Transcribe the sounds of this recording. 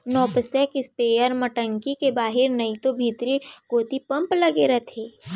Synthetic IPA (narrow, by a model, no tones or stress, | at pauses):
nɔːpsɛkɪspeːjəɾmɐʈə̃ŋkikebaːɦɪɾnɐit̪obʱiːt̪ɾiɡoːt̪ipɐ̃mplɐɡeɾɐt̪ʰeː